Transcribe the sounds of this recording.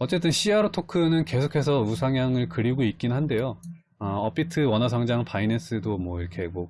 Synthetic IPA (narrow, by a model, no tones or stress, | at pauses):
ʌt͡ɕ͈e̞t͈ɯnɕ͈ʰiaɾotʰokʰɯnɯnke̞sʰokʰe̞s̬ʰʌusʰaŋjaŋɯɭkɯɾiɡoik̚k͈inɯnɦande̞jo | ʌʌp͈itʰɯwʌnɦasʰʌŋd͡ʑaŋpʰaines͈ɯdomwʌiɾʌkʰe̞mʌ